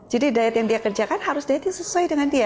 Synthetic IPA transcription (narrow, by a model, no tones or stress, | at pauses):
d͡ʒadidajat̪jaŋdiakərd͡ʒakanhaɾʊsdajat̪jaŋsəsuajdəŋandia